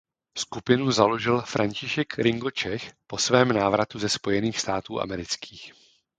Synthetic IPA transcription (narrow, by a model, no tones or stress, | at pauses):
skupɪnuzalo̞ʒɪlfɾʔaɲcɪʃɛkɾɪŋɡo̞t͡ʃɛxpo̞svɛːmnaːvɾat̪uzɛspo̞jɛniːxst̪aːt̪uːʔa̰mɛɾɪt͡skʰiːx